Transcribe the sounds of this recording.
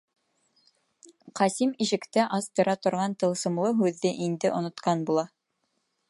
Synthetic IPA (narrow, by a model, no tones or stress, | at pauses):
qɑsimiʃɘ̆kt̪æʔɑst̪ɤ̆ɾɑt̪ŏɾʁɑnt̪ɤ̆lˠsɤ̆mlˠɤɦʉðːɘʔind̪ɘʔŏnŏt̪qɑnbulˠɑ